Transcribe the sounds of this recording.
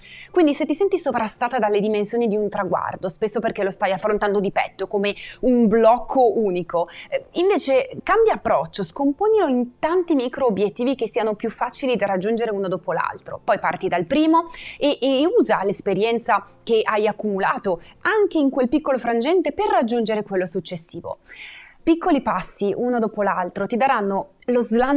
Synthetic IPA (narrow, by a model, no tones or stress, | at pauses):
kwind̪iset̪ːisɛnt̪isovɾast̪aːt̪ad̪alːed̪imensjoːnid̪iunt̪ɾaɡwa̰rd̪ospesːoperkelost̪ajafːɾont̪and̪od̪ipɛ̰t̪ːokoːmeumblɔkʰːouːnikʰoiɱveːt͡ʃekambjaːpːɾɔt͡ʃːoskompoːniloint̪ant̪imikɾoːbjet̪ːiːvik̟esːiːanopjufːat͡ʃilid̪arːad͡ʒːund͡ʒeɾeuːnod̪oːpola̰lt̪ɾo̰pɔjpa̰rt̪id̪alpɾiːmoeʔːuːzalespeɾjɛnt̪sa | k̟eʔajakːumulaːt̪oaŋk̟eiŋkwelpikːolofɾand͡ʒɛnt̪eperːad͡ʒːund͡ʒeɾekwelːosut͡ʃːesːiːvo̰pikːolipasːiʔunod̪oːpolalt̪ɾot̪id̪aɾanːo | lozlan